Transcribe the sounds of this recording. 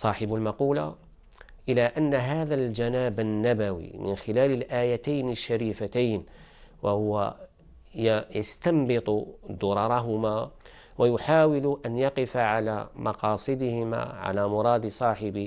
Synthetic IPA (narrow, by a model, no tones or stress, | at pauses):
sˤɑːħɪbʊlmɑquːla̰ | ʔɪlaʔanːaɦaːðald͡ʒanaːbanːabawḭmɪ̰nxɪlaːlɪlʔaːjat̪ajnɪʃːaɾiːfat̪ajn | wʔahʊwa | jjast̪ɑmbɨt̪ˤʊd̪ʊɾˤɑɾˤɑɦʊma | wajʊħaːwɪlʔanjɑqɪfaʕalamʔɑqɑːsˤɨd̪ɪhɪma̰ʕa̰laːmʊɾˤɑːd̪sˤɑːħɪbɪ